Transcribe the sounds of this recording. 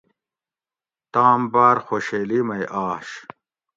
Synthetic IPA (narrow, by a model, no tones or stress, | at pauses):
t̪aːmbaːɾxoːɕeːlimɐjʔaːɕ